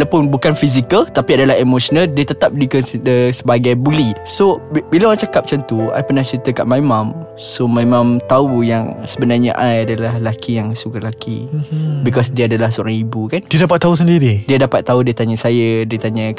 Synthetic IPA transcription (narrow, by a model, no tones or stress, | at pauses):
lapʊnbukanfizikəlt̪apiadalaɦemoʃɔnaldiət̪ət̪ap̚dikəndəsəbaɡajbulisobilaãt͡ʃakap̚t͡ʃant̪ua̰jpənaht͡ʃəɾit̪əka̰ʔmaimãm | somãimãmt̪aujaŋsəbənarɲã̰ʔajadalahlakijaŋsukalakḭbikɔsdiaadalahsɔɾaŋibukandiadapat̪ːausəndiɾidiadapat̪ːaudiat̪aɲãsajadiat̪aɲa